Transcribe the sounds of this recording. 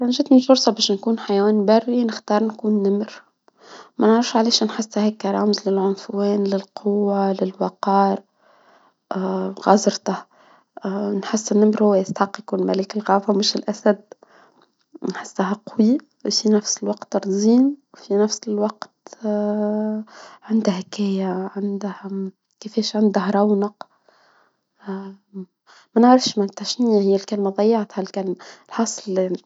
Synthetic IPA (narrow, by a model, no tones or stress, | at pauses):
kanʒiːt̪mɪnfʊɾsˤɑbɛːʃnkuːnħajawæːnbarːinɪxt̪ɑːɾˤnkuːnːɪmɾ | mænʕɾɑfʃʕaleːʃnħɪsːhækːɑɾˤɑːmzlɪlʕʊnfwɛːnlɪlqʰʊwːalɪlwɑqɑːɾ | ɣɑzˤɾt̪ah | nħɪsːɪnːamɾhʊwːæjɪst̪ħɑqːjqlmæleːkɪlɣɑːfamɪʃɪlʔæsæd̪̚ | nħɪsːaɦæqʊwja | wfinæfsɪlwɑqt̪ɑɾˤziːnwfinæfsɪlwɑqt̪ | ʕand̪ahækɛːjaʕand̪h | kɪfɛːʃʕand̪ahɾˤɑwnɑq | mænʕɾɪfʃmat̪ːaʃnɪjːahɪjːælkælmad̪ˤɑjːɑʕt̪hælkælmalħɑsˤl